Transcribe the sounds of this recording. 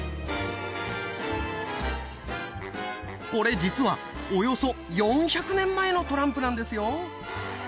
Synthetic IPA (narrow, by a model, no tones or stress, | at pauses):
ko̞ɾe̞d͡ʑit͡sɨβa | ojo̞so̞ | jõ̞ɰ̃çakɯ̟nẽ̞mːae̞no̞t̪o̞ɾãmpɯ̟nãnd̪e̞sɨjo̞